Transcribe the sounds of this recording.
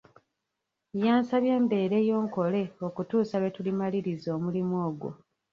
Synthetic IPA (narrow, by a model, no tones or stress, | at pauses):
jaːnsaβjeːmbe̞ːɾe̞jo̞ːŋko̞le̞o̞kutuːsaβe̞tulimaliɾizo̞ːmulimwoːɡwo̰